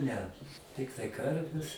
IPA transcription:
nʲɛ ˈtʲɪktɐɪ ˈkɐrʲʋʲɛs

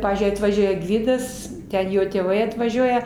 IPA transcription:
ˈpɑːʋʲiːzʲd͡ʒʲʊɪ ɐtʋɐˈʒʲuɔjɛ ˈɡʋʲɪdɐs ˈtʲɛn ˈjoː tʲeːˈʋɐɪ ɐtʋɐˈʒʲuɔjɛ

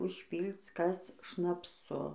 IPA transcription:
ʊʃʲˈpʲiːlˠt͡s ˈkɐs ʃnɐpˈsʊ

